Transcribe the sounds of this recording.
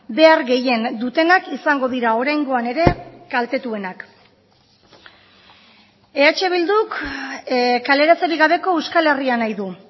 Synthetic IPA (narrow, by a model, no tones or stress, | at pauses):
be̞aɾɣe̞je̞nd̪ut̪e̞nakisaŋɡo̞ðiɾao̞ɾajŋɡo̞ane̞ɾe̞kalt̪e̞t̪ue̞nak | e̞at͡ʃe̞β̞ild̪uk | kale̞ɾat͡saɾiɣaβ̞e̞ko̞ewskale̞rianajðu